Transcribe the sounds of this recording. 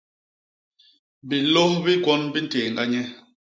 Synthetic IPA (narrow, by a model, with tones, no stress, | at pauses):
bi˨lɔ˦hbi˦kwɔ˦nbi˦n̩˦tɛː˨ŋ˨ɡa˦ɲɛ˦